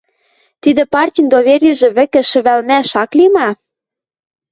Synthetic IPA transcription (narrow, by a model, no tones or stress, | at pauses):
t̪id̪ɘ̆pɑrtʲijnd̪oβerʲɘʒĕβɘ̆kɘ̆ʃɘ̆βælmæʃɑklimɑ